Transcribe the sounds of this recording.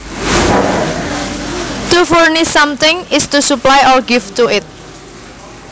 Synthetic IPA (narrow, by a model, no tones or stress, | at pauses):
tufɔɹnisãmt̪ɪ̃ŋɪstusuplajʔɔɹɡɪftuɪt̪̚